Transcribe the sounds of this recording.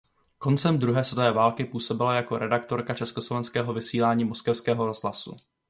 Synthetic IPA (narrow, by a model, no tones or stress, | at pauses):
ko̞nt͡sɛmd̪ɾuɦɛːsvɛt̪ovɛːvaːlkɪpuːso̞bɪlajako̞ɾɛdakt̪o̞ɾkat͡ʃɛskoslovɛnskɛːɦo̞vɪsiːlaːɲiːmo̞skɛfskɛːɦo̞ɾo̞z̥ɦlasṵ